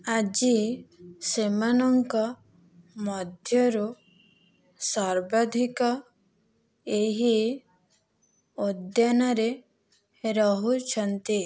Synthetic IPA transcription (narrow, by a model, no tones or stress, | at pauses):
ad͡ʒi | semanɔŋkɔ | mɔd̪ʱjɔɾu | saɾbad̪ʱikɔ | eɦi | od̪janɔɾe | ɾɔɦut͡ʃʰɔnt̪i